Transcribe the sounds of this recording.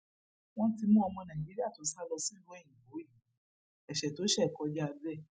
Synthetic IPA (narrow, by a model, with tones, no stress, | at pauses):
w̃ɔ̃˦ti˧mũ˦ɔ˧mɔ̃˧nã˨ĩ˨d͡ʒi˨˦ɾi˦a˦˨to˨˦sa˦lɔ˧si˦lũ˦i˦˨ĩ˨bo˨˦i˦˨˦ | ɛ˨ʃɛ˨to˨˦ʃɛ˦˨kɔ˧˦d͡ʒa˦˧bɛ˦˨